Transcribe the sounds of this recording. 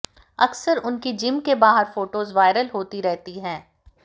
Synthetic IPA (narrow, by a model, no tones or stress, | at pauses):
ɐksəɾʊnkid͡ʒɪ̃mkebaːɦəɾfoːʈoːzʋaːɪɾəlɦoːt̪iɾɛɦt̪iɦɛ̃ː